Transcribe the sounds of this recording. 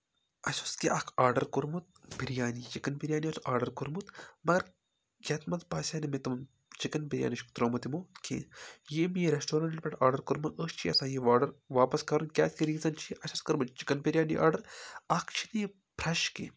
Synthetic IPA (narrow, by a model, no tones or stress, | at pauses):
ɐsʲoskiʔɐkʰaːɾɖɐɾkuɾmut̪̚piɾjaːnit͡ʃikɐnpiɾʲjaːniɐsʔaːɾɖɐɾkuɾmut̪mɐɡɐɾ | jʲɐt̪mɐt̪paːsʲaːnimit̪ɐm | t͡ʃikɐnpiɾʲja̰ːniʃkt̪ɾoːmɐt̪imoːkʰḛ̃ːjeːmiɾesʈoːɾɐɳʈʈʲpʲɐʈʰaːɾɖɐɾkuɾmɐnʔəːst͡ʃʰiɐsãːjeʋaːɖɐɾʋaːpɐskɐɾunkʲaːt̪kiɾiːzɐnt͡ʃʰiʔɐsoskɐɾmut̪t͡ʃi̥kɐnpiɾjaːnḭʔa̰ːɾɖɐɾakʰt͡ʃʰinii | pʰɾɐʃkḛ